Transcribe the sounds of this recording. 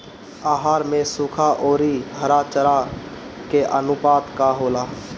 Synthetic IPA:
aːɦaːɾmẽsukʰaʔoːɾiɦəɾat͡ʃəɾa | keʔənʊpaːt̪kaɦoːlaː

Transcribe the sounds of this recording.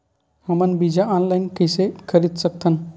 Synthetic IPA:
məmənbid͡ʑaɔnlajnkəsekʰəɾiːt̪sək̚t̪ʰən

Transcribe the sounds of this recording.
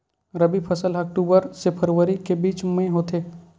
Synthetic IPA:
ɾəbipʰəsəlɐːk̚ʈuːbəɾsepʰəɾʋəɾikebiːt͡ʃmẽɦoːt̪eː

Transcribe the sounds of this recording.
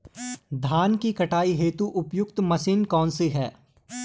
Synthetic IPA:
d̪ʱaːnkikɐʈaːiɦeːt̪uʔʊpjʊk̚t̪mɐsiːnkɔːnsiɦɛː

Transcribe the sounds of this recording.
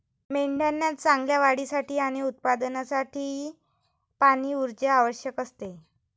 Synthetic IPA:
meɳɖanːjat̪t͡sãŋɡljaʋaɽisaʈiːaɽ̃iut̪̚pad̪ənasaʈʰiː | paɽ̃iːuɾd͡ʑəaʋəɕjəkəst̪e

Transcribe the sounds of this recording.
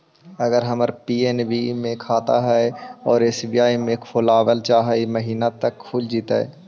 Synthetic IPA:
ɐɡəɾɦɐməɾpiːenbimẽkʰaːt̪a̰ɦɛɔːɾɪsbijaːimẽkʰʊlaːwəlt͡ʃaːɦaimɐɦiːnat̪ɐkʰːuːld͡ʒiːt̪a̰ɦɛ̰ː

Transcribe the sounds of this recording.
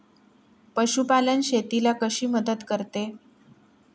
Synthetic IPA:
pəɕupalənɕet̪ilakəɕiːməd̪ət̪kəɾt̪e

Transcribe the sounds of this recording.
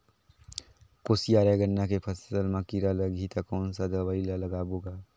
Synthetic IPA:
kosijaɾeɡənːakepʰəssəlmakiɾaləɡʱit̪əkɔːnsad̪əwailaləɡaboɡa

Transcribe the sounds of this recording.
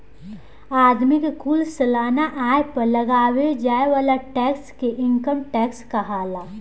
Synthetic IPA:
aːd̪mɪkkuːlsɐlaːnaʔaːepɐɾlɐɡaːwed͡ʒaːeʋaːlaʈɛːkskeʔɪ̃ŋkəmʈɛːkskaɦaːlaː

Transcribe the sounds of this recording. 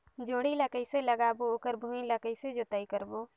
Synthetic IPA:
d͡ʒoːɽiləkəɪseləɡabooːkəɾbʱumiləkəɪsed͡ʒot̪əikəɾbo

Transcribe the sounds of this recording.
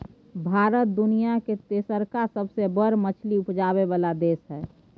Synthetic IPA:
bʱaːɾət̪̚d̪ʊnijaket̪eːsəɾkasəbsebəɾmət͡ʃʰliʊpd͡ʒaːβeʋaːlad̪eːsɦɛː

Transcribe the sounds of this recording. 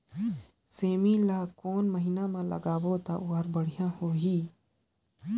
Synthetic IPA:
seːmilaːkoːnməɦinamãlə̰ɡaːbot̪aʔʊːɦəɾbəɽ̤ijãhoːɦiː

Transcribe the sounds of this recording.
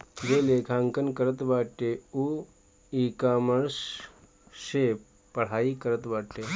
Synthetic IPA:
ɡelekʰaŋkənkəɾət̪ʋaʈeu | ikaməɾs | ɕepː | əɽ̤aiːkəɾət̪ʋaʈʈe

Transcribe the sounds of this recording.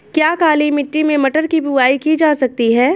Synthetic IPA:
kjaːkaːlimɪʈːimẽmɐʈəɾkibuʋaːikid͡ʒaːsɐk̚t̪iɦɛː

